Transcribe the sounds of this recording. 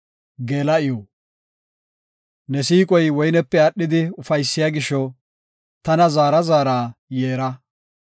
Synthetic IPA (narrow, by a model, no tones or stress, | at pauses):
ɡe̞ːlɐɪjo | nɛsiːkʼɔjwɔjnɛpːɛɐɗːɪd̪ɪʊfɐjsːɪjaːɡɪʃɔ | t̪ɐnɐzaːɾɐzaːɾaːjeːɾɐ